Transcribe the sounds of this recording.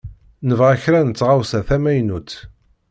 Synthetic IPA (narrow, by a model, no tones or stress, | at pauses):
nəvʁæçɾænət͡sːʁawsæθæmæjnut͡s̪